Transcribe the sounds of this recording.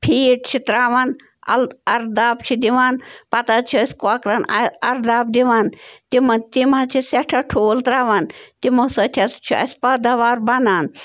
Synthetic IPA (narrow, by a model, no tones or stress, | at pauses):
pʰiːʈ̚t͡ʃʰit̪ɾaːʋaːn | ɐ̰lɐɾd̪aːp̚t͡ʃʰid̪iʋaːnpɐt̪at͡ʃʰiɐsʲkwakɾanɐɾd̪aːp̚d̪iʋaːnt̪imɐt̪imat͡ʃʰiseʈʰaʈʰoːlt̪ɾaːʋant̪imɐsɐt̪ʰʲat͡st͡ʃʰiɐ̰sʲpad̪ɐʋaːɾbɐnaːn